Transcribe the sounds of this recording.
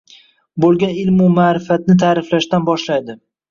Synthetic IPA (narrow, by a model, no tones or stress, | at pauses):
bolˠɡʲanɪlmʊmaːɾɪfat̪̚nɪt̪ʰaːɾɪflaʃt̪anbɒʃlajd̪ɪ